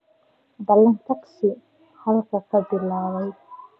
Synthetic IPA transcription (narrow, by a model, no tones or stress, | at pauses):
b̪ɐlːɐnt̪ʰɐqsɪ | hɐðɐlkʰɐkʰɐbɪlːaːwɛj